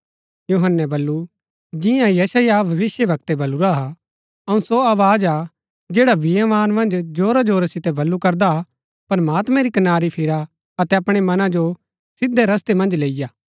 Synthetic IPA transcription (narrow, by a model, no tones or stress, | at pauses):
juɦənːɛbɐlːu | d͡ʒɪjãjɛsəjabʱɐʋɪsjəbʱɐk̚t̪ɛbɐluɾaɦa | ɐũsoaːʋaːd͡ʒa | d͡ʒeːɽabɪjãʋaːnmɐ̃nd͡ʒd͡ʒoːɾad͡ʒoːɾasɪt̪ɛbɐlːukɐɾd̪aa | pɾɐmaːt̪mɛ̃ɾikɐnaːɾipʰɪɾa | ɐt̪ɛɐpɽ̃emɐnãd͡ʒo | sɪd̪eɾɐst̪emɐ̃nd͡ʒleːɪjaː